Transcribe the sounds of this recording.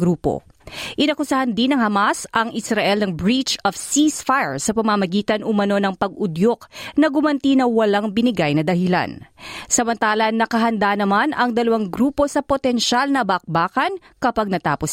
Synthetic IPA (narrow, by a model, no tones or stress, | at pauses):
ɡɾuːpo̞̰ | ʔɪnɐkʊsahɐnd̪inɐŋhɐmasʔɐŋʔɪsɾɐʔɛlnɐŋbɹit͡ʃɔfsisfajɹsɐpɐmamɐɡiːt̪ɐnʔʊmɐno̞nɐŋpɐɡʔʊd̪joknɐɡʊmɐnt̪inɐwɐlaŋbɪnɪɡajnɐd̪ɐhɪla̰nsɐmɐnt̪aːlɐnɐkɐɦɐnd̪anɐmanɐŋd̪ɐlɐwaŋɡɾuːpo̞sɐpot̪ɛnʃalnɐbɐk̚baːkɐn | kɐpaɡ̚nɐt̪aːpos